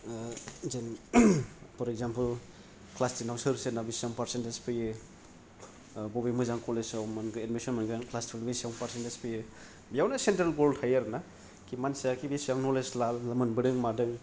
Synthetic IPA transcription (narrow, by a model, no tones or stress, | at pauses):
zen | pʰɔɾekzampɯl | klastinawsɯɾsenabisjaŋpaɾsentespɯjɯ | bɔbimɯzaŋkɔlesawmanɡɯedmisɔnmanɡɯanklastilbisjaŋpaɾsentespʰɯjɯ | bijawnasentɾelɡoɾdhajaɾna | kimansijakibisjaŋnɔleslalːɐmɯnbɯdɯŋmadɯŋ